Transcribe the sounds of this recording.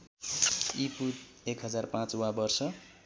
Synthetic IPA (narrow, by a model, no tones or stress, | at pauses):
ipʰut̪ | ekɦʌd͡zarpãt͡swabʌrsʌ